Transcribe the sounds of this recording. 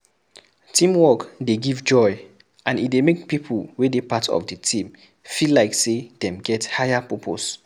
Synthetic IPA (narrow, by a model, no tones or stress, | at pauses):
tʰĩmwɔkdeɡivd͡ʒɔɪ | ʔãnit̚demek̚pipʰəl̩wedepatʰɔ̰vdətʰĩm | filaɪksedɛ̃mɡɛthajapɔpʰo̰s